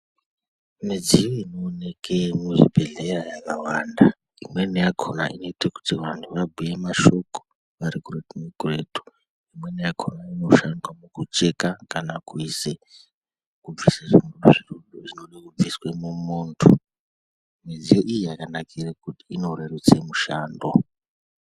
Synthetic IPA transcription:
med͡zijoino̞ːne̞kʰemuʐibʱe̞ɮerajakawanda | imwe̞nejakʰona̰ino̞itaku̥tiʋantʰuʋabʱujemaʃo̞ko̥ | ʋaɾikuretumekuretu̥ | imwe̞nejakʰo̞naino̞ʃandwamukut͡ʃe̞kakanakuise | kub͡visaʐinuʐiroɗoʐinoɗakub͡viswemumoːntʰo | mizijoʔijiakanakʰirekutiːno̞rerut͡semuʃaːndo

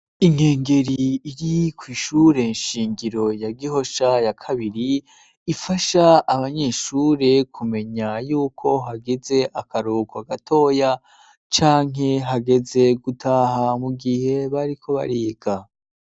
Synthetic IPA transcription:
iŋe̞ːŋɡe̞ɾiːɾikwiːʃuːɾe̞nʃiːŋɡiɾo̞jaɡiɦo̞ʃajakʰaβiɾiː | faʃaaβaɲe̞ːʃuːɾe̞kʰume̞ɲajuːkʰo̞ɦaɡeze̞ʔakʰaɾukoaɡatʰo̞ja | t͡ʃaːŋɦe̞ɦaɡe̞ze̞ɡutʰahamuɡihe̞βaɾikʰo̞βa̰ɾiːɡ̥a

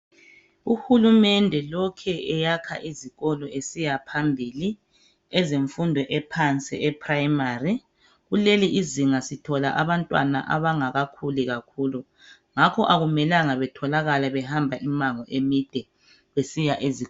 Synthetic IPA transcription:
uhulumɛndʱɛlɔkʰɛɛjakʰa̰ʔiziɣɔlɔesijapʰambʱili | ɛzeɱfundʱɔʔɛpʰant͡sʼḭɛpʰʼrajmari | ɣuleliʔiziŋasitʰɔla̰ʔaβantʼwa̰na̰ʔa̰βaŋaɣakʰuliɣakʰuːlu | ŋakʰɔʔaɣumɛlaŋaβɛtʰɔlaɣalaβɛhambʱaʔimaŋɔʔemid̥ʱɛ | βesijaʔezi

